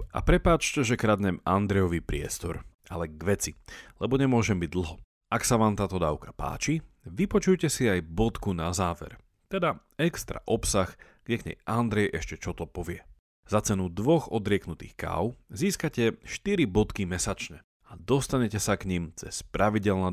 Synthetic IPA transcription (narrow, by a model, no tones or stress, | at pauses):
a̰pɾɛpaːt͡ʃcɛʒɛkɾad̪ɲɛmand̪ɾɛjɔʋipɾɪɛst̪ɔɾa̰lɛɡʋɛt͡silɛbɔɲɛmʊɔʒɛmbiɟ̚d̪l̩ˠɦɔ | aksaʋaːmt̪aːt̪ɔd̪a̰ːʊkḁpa̰ːt͡ʃi | ʋipɔt͡ʃujcɛsiajbɔt̪kunazaːʋɛ̰ɾ | t̪ɛd̪a | ɛkst̪ɾa̰ʔɔpsax | ɡɲɛɡɲɛ̰jʔand̪ɾɛjʔɛʃcɛt͡ʃɔt̪ɔpɔʋɪɛ | zat͡sɛnud̪ʋɔɣɔd̪ɾɪɛknut̪ḭːxka̰ːʊziːskacɛʃt̪iɾibɔt̪kimɛsat͡ʃɲɛ | ad̪ɔst̪aɲɛcɛsakɲimt͡sɛ̰spɾaʋiɟɛlna